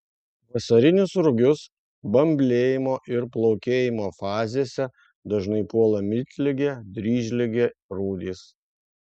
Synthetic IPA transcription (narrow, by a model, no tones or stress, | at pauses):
ʋɐsɐɾʲɪnʲʊsɾʊɡʲʊs | bɐmʲbʲlʲeːjɪmoːʔɪɾplˠɒʊkʲeːjɪmoːfɑːzʲeːsʲɛ | d̪ɐʒnɐɪpuɔlˠɐmʲɪt̪ʲlʲɪɡʲed̪ʲɾʲiːʒʲlʲɪɡʲeːɾuːd̪ʲiːs